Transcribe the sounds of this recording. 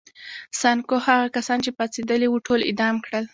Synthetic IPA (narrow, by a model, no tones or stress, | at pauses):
sɑnkohaɣakasɑnt͡ʃepɑt͡sed̪əlewuʈʰolɪ̰d̪ɑmkɽəl